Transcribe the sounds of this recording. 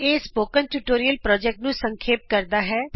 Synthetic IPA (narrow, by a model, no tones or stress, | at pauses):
eːspoːkənʈuːʈoːɾijəlpɾɔːd͡ʒɛk̚ʈnũːsəŋkʰeːp̚kəɾd̪aːɦɛː